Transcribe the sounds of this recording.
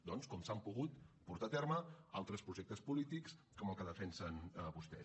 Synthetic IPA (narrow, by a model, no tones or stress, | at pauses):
d̪ɔnskɔmsampuɣut̪puɾt̪at̪ɛɾməalˠt̪ɾəspɾuʒɛk̚t̪əspulit̪iks | kɔməlˠkəðəfɛnsənəβust̪ɛ